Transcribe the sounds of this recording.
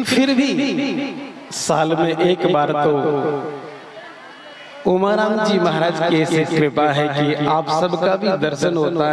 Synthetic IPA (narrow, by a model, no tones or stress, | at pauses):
fʰɪɾbʱi | saːlmẽʔeːkbaːɾt̪o | oːmaːɾãːmd͡ʒiːmɐɦɾaːd͡ʒkeːsiɾɪpaɦɛkiaːpsɐbkabʱid̪ɐɾsənɦoːt̪a